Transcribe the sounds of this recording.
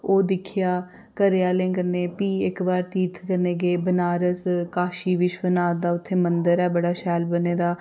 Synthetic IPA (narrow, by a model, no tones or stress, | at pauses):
oːd̪ɪkʰɪjaː | kəɾeaːlẽːkəɾneːpiːɪkbaːɾt̪iːt̪ʰkəɾneːɡeːbənaːɾəskaːʃiːʋɪt͡ʃbənaːd̪aːʊt̪ʰːeːmənd̪əɾɛːbəɽaːʃɛːlbəneːd̪aː